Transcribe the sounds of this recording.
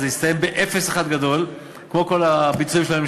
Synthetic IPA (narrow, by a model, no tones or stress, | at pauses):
zeist̪aje̞mbeʔefesaχad̪ɡad̪o̞l | kmo̞ko̞labit͡suĩmʃlaem